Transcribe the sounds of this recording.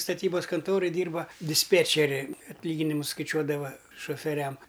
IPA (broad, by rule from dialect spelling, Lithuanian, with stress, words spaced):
stɐˈtʲiːbɐs kɐnˈtoːroːj ˈdʲiːrbɐ dʲɪsʲˈpʲeːt͡ʃʲɛrʲɪ ɐtʲˈlʲiːɡʲɪnʲɪmʊs skɐɪˈt͡ʃʲuɔdɐʋɐ ʃoːfʲɛˈrʲɛm